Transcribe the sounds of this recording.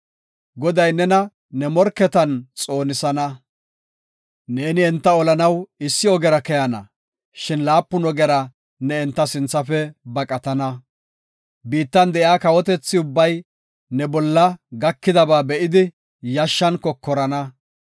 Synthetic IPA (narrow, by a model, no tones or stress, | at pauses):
ɡɔd̪ɐjnɛnɐ | nɛmɔɾkːɛt̪ɐnt͡sʼo̞ːnɪsɐnɐ | ne̞ːnɪɛnt̪ːɐɔlɐnɐwɪsːɪɔɡɛɾɐkɛjɐnɐ̰ | ʃɪnlaːpːʊnɔɡɛɾɐ | nɛɛnt̪ːɐsɪnt͡sːɐfɛbɐkʼɐt̪ɐnɐ | biːt̪ːɐnd̪ɛʔjaːkɐwɔt̪ɛt͡sːɪʊbːɐj | nɛbɔlːɐɡɐkːɪd̪ɐbaːbɛʔɪd̪ɪ | jɐʃːɐnkɔkːɔɾɐnɐ